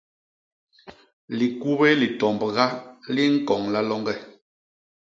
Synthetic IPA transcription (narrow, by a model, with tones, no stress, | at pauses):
li˨ku˦be˦li˨tɔ˨mbɣa˦li˦ŋ̩˦kɔ˨ŋla˦lɔ˦ŋɡɛ˦˨